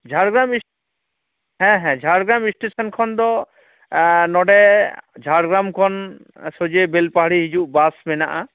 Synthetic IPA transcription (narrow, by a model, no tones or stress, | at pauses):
d͡ʒʱaɽɡɾamĩ | ɦɛ̃ɦɛ̃d͡ʒʱaɾɡɾamĩsʈesɔnkʰɔnd̪ɔ | nɔɖɛd͡ʒʱaɾɡɾamkʰɔn | sod͡ʒebelpaɦɽiɦid͡ʒuʔbasmɛnaʔa